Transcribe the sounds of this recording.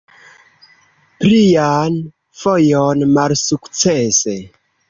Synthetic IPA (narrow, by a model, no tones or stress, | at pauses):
pɾian | fojonmalsukt͡sese